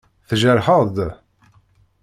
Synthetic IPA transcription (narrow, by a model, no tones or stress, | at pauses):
θʒəɾħəd̪